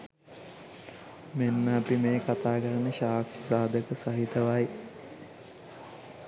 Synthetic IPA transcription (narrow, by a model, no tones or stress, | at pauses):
menːəːpimeːkat̪aːkəɾənəɕaːkʃisaːd̪ʱəkəsɐɦit̪ɐʋaj